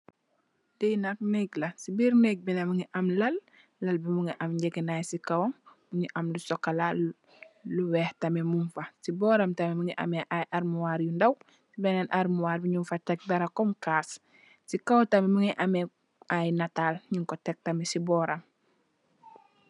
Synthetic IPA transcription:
dinak̚neklɐsibiɾneɡ̚binɐmuŋiʔɐmlɐl | lɐlbimuŋiʔɐmɟekinajsikawoŋmuɲiʔɐmlusɔkːala | luwɛːhtɐmemunfasibɔːɾɐmtamemuŋiʔa̰meʔajʔaɾmuwaɾjundaw | sibenanʔaɾmuwaːɾbiɲumfɐtɐk̚bɐɾakɔmkaːs | sikawtamemuŋiʔame | ajnataːlɲiŋkɔtɛk̚tamesibɔːɾam

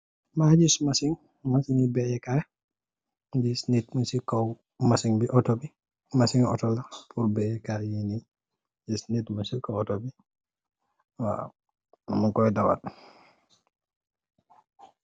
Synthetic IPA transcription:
mad͡ʒismasiŋ | masiŋibɛjɛka | disnitmunsikɔw | masiŋbiʔɔtɔbi | masiŋɔ̰tɔlapʰuɾbɛjɛkajini | d͡ʒisnitmunsikɔwɔtobi | wa̰ | amuŋkɔjɛdawa̰d

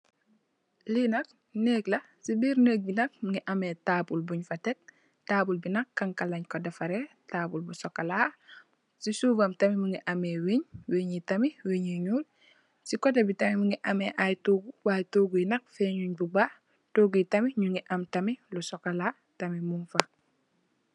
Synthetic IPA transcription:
linɐk̚ | neklɐ | sibiːɾnəːk̚binɐk̚muŋiʔametaːbulbuɲfatek̚ | taːbulbinɐkːaŋkalaɲkodafaɾe | taːpulbusɔkala | sisuːvamtɐmimuŋiʔamewiɲweːɲitamiweɲeɲuːl | sikɔdebitɐmimuŋiʔameʔajtoːɡuwajtoːɡujinɐk̚feɲuɲbuba | toːɡitɐmiɲuŋiʔɐmtamilusɔkala | tɐmimunfa

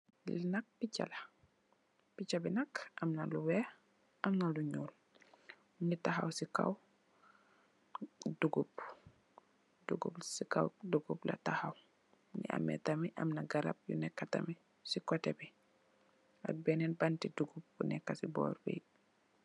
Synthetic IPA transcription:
linɐk̚pit͡ʃːa̰lɐ | pit͡ʃːabinɐkʔɐmnɐluwɛ | ʔɐmnɐluɲuːl | nitaxa̰wsika̰w | duɡub̚ | duɡṵbsika̰wduɡuplɐ̰tahaw | nḭʔa̰mːɛ̰tɐmiʔɐ̰mnɐɡɐɾɐ̰b̚jṵnɛkːɐtɐ̰mi | sikɔtɛbi | a̰t̚bɛnɛnbantiduɡup̚bunɛkːɐsibɔ̰ːɾbḭj

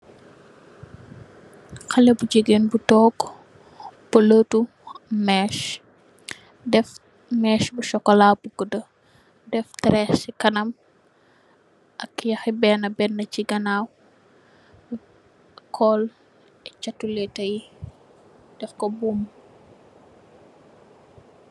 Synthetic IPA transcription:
xɐlɛbuɟəɡeːnbutɔːɡ | pələtu | mɛːʃ | dɛf | mɛːʃbuʃɔkːɔlaːwbuɡədə | dɛftɛɾɛsikɐnɐm | ʔɐkjɐxibɛːnɐbɛnːɐciɡɐnaːw | kʰɔːl | ɛt͡ʃɐtːulɛtɐji | d̥ɛfkɔbuːm

